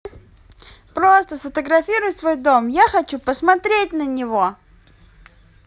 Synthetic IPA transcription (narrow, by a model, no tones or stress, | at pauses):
pɾost̪əsfət̪əɡɾɐfʲiɾʊjʊsvo̞jd̪o̞mjaxɐt͡ɕupəsmɐt̪ɾʲet̚ʲnənʲɪvo